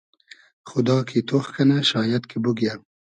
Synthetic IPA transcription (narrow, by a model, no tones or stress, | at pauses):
xʊd̪ɑːkʰet̪oxkanaʃɑːjad̪kʰebʊɡja